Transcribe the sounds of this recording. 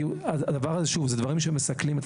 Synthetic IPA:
uaad̪avaʁazeʃuvzed̪vaʁimʃemesaklimet̪

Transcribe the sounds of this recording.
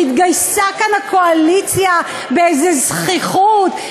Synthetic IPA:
it̪ɡajsakanhako̞alit͡sja | beezezχiχut

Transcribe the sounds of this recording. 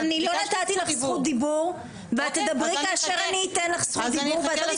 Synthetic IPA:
anilonat̪at̪ilaχsχut̪̚d̪ibuʁ | veat̪ːed̪abʁikaːʃeʁaniːt̪enlaχsχut̪̚d̪ibuʁveat̪lat̪i

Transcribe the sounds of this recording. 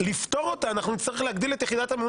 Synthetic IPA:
lift̪o̞ʁo̞t̪aːnaχnunit͡st̪aʁiχleaɡd̪ile̞t̪jeχid̪at̪aemun

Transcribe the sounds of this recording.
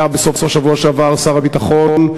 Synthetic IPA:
abesofsofʃavuaʃeavaʁsaʁabit̪aχon

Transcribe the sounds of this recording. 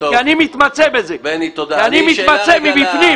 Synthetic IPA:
ianimit̪mat͡sebezeanimit̪mat͡semibifni

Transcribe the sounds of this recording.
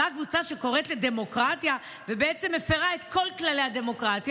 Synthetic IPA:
akvut͡saʃe̞ko̞ʁet̪le̞d̪e̞mo̞kʁat̪ja | vebeet͡se̞mefeʁaet̪ko̞lklale̞jhad̪e̞mo̞kʁat̪j

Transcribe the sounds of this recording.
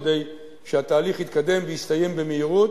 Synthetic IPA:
d̪e̞j | ʃehat̪aːliχhit̪̚kad̪e̞mvejist̪aje̞mbe̞meiʁut̪

